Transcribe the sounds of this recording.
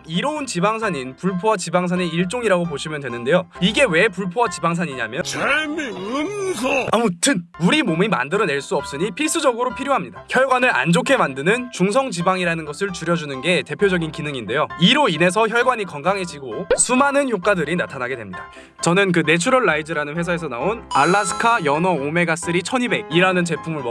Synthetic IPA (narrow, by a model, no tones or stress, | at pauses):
iɾʌunt͡ɕibaŋsʰaɲinpuɭpʰoat͡ɕibaŋs̬ʰane̞iɭt͡ɕ͈oŋiɾaɡop̬oɕʰimjʌndwenɯnde̞joiɡe̞we̞puɭpʰoat͡ɕibaŋs̬ʰaɲiɲa̰mjʌt͡ɕameɯmsʰʌamotʰɯnuɾimomima̰ndɯɾʌne̞ɭs͈uʌp̚s͈ɯɲipʰiɭs͈ɯd͡ʑʌɡɯɾopʰiɾjoɦamɲidaçjʌɭɡwanɯɾa̰nd͡ʑokʰe̞mandɯnɯnt͡ɕuŋs̬ʰʌŋt͡ɕibaŋiɾanɯnɡʌsʰɯɭt͡ɕuɾjʌd͡ʑunɯnɡe̞te̞pʰjod͡ʑʌɡinkinɯŋinde̞joiɾoine̞s̬ʰʌçjʌɭɡwaɲikʌŋɡaŋɦe̞d͡ʑiɡosʰumanɯnçjok͈adɯɾinatʰanaɡe̞dwe̞mɲida | t͡ɕʌnɯnk̬ɯne̞t͡ɕʰuɾʌɭːaid͡ʑɯɾanɯnɸwe̞s̬ʰae̞s̬ʰʌnaonaɭːas̬ʰɯ̥kʰajʌnʌome̞ɡas͈ɯɾit͡ɕʰʌɲibe̞iɾanɯnt͡ɕe̞pʰumɯɭmʌ